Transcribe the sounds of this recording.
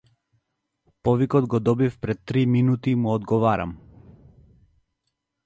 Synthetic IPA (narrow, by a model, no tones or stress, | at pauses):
pɔvikɔd̪ɡɔd̪ɔbifpɾɛt̪ːɾiminut̪imuɔd̪ɡɔvaɾa̰m